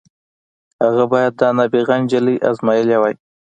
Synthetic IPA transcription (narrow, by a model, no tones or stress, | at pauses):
haɣabɑjad̪̚ːɑnabiɣand͡ʒələjʔa̰zmɑjəlawaj